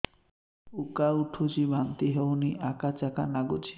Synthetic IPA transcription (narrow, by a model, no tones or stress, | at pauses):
ukauʈʰut͡ʃibʱant̪iɦewniʔakat͡ʃaka̰naɡut͡ʃi̥